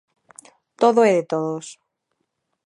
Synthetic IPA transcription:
t̪oðoeðet̪oðos

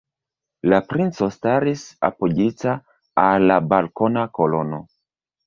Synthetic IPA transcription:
lapɾint͡sostaɾisa̰pod͡ʒita | alːabalko̞nako̞lo̞no̞

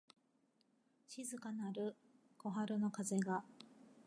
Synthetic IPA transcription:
ɕizɨkanaɾɯ̟ | ko̞ɦaɾɯ̟no̞kaze̞ɡa

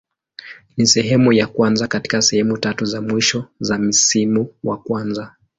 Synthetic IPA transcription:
nisɛɦɛmujakwanzakati̥kasɛhɛmutatuzamwiʃɔzam̩simuwakwanza

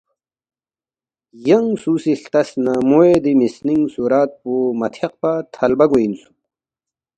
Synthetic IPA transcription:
jɐŋsuːsiɬt̪ɐsnamoed̪imisniŋsuɾaːt̪̚poːmɐt̪ʰeq̚pat̪ʰɐlbɐɡoinsu̥

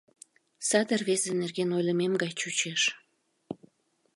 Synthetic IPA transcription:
sɑd̪ərβezenerɣenojləmemɡɑjt͡ɕut͡ɕeʃ

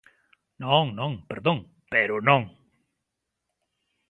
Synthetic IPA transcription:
nõŋnõŋpeɾðõŋ | peɾʊnõŋ

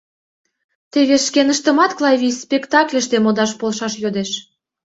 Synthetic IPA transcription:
t̪eβeʃkenəʃt̪ə̆mɑt̪klˠɑjβʲispʲekt̪ɑklʲə̆ʃt̪emod̪ɑʃpolʃɑʃjod̪eʃ

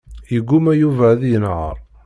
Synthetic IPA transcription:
jəɡːumæjuvæðjənʕə̰ɾˤ

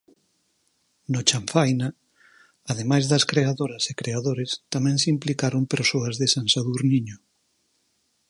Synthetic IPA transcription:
not͡ʃaɱfajna | að̞emajzðɐskɾeaðoɾɐsekɾeaðoɾest̪amɛ̃ŋsimplikaɾoŋpeɾsoɐzðesansaðuɾniɲo

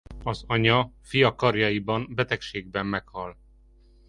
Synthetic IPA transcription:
ɒzɒɲɒfijɒkɒrjɒjibɒnbɛt̪ɛkʃeːɡ̚bɛmːɛkhɒl

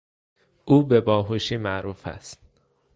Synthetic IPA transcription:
uːbebɒːɦuʃiːmæʔɾuːfæ̰st̪

